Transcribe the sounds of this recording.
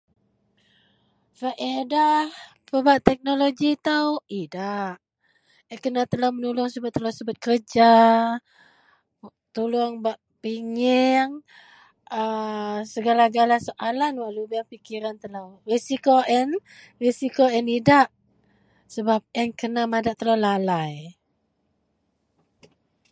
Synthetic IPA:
fəʔedah | pəbaʔt̪ɛk̚noloɡit̪awidaʔ | ɛkənat̪əlawmənulʊŋsəbat̚t̪ːəlasəbat̪̚kərd͡ʒa | t̪ulʊŋbaʔ | piŋɛŋ | əsəɡalaɡalasəʔalanwaʔlubaŋpikiɾant̪əlawrisikoʔɛn | risikoɛnidaʔ | səbap̚ɛnkənamadaʔt̪əlalalaj

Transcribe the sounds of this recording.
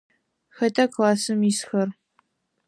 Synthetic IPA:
xɐtʰɐkʰlaːsɨmisxɐr

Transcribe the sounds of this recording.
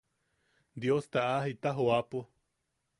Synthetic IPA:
d̪jost̪aʔaɦit̪aɦoapo

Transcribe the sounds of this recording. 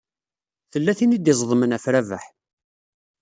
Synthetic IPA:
θəlːæθinid̪ɪzˤðˤmənæfɾævə̰ħ

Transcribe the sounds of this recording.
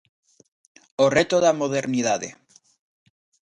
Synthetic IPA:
oret̪oðamoðeɾniðaðḛ

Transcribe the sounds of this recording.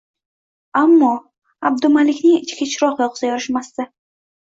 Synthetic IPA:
amːɒ | ab̚d̪ʊmalɪkʲnɪŋɪt͡ʃkʲat͡ʃʰɾɒqjɒqzajɒɾɪʃmast̪a

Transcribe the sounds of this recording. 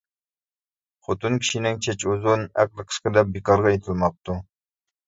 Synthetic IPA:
χot̪ɨnkʲʰi̥ʃinɪŋt͡ʃʰɛt͡ʃozunæ̰q̚lˠəqʰə̥sqəd̪ɛp̚bikɑɾʁɑjet̪ʰɪlˠmɑp̚t̪u

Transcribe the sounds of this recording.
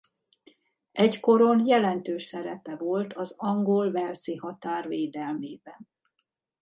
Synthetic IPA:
ɛɟko̞ɾonjɛlɛnt̪øːʃsɛɾɛpɛvo̞lt̪ʰɒzɒŋɡolvɛlsihɒt̪aːrveːd̪ɛlmeːbɛn

